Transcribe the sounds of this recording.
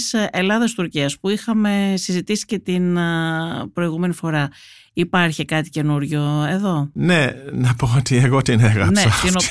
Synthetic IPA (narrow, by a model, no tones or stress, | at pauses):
se̞lɐðɐst̪uɾciɐspuixɐme̞sizit̪isi̥ce̞t̪in | pɾo̞iɣume̞nifo̞ɾɐ | ipɐɾçikɐt̪ice̞nuɾʝo̞e̞ðo̞ne̞nɐpo̞ot̪ieɣo̞t̪ineɣɐnpseɐt̪ino